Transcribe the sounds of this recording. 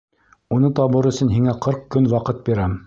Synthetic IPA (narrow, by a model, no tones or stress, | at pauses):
unɤt̪ɑβɤɾɵ̆sɵ̆nɦiŋæqʰɤɾqkɵnwɑqɤt̪̚biɾæm